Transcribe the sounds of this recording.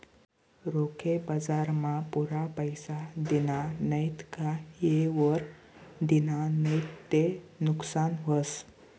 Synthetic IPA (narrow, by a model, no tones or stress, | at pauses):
ɾokʰebəd͡zaɾmapuɾapəjsad̪inanəjt̪kajeʋəɾ | d̪inanəjt̪ːenuksanɦəs